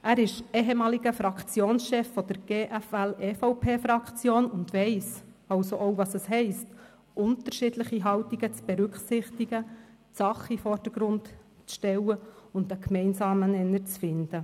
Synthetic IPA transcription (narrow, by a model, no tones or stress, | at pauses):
ʔæːɾɪʃeɦemɑːliɡəfɾɑkt͡sjoːnsʃɛfːɔd̥̪əɾɡ̥eːʔæfælɛːfoʊpʰeːfɾɑkt͡sjoːnʊndʋɛɪs | ɑlsoʔowvɑsəsɦɛɪst | ʔʊntəɾʃiːdləχiɦɑwtiɡət͡sb̥ɛɾʉkχsɪχtiɡ̥ə | sɑχifɔrd̥əɡ̥ɾʊnt | t͡sʃtɛwəʊndəkʰmɛɪnsɑːmənɛnːəɾt͡sfɪnd̥ə